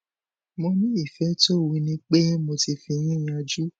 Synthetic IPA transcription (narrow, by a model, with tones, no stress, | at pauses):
mɔ̃˧nĩ˦i˦˨fɛ˨˦to˦wi˧nĩ˦k͡pe˦mo˧ti˧fi˧j̃ĩ˦˨j̃a˧d͡ʒu˦